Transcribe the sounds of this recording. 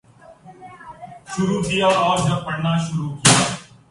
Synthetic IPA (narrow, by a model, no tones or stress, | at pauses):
ʃʊɾuːkɪjaːaːɾd͡ʒəpəɽnaːʃʊɾuːkɪjaː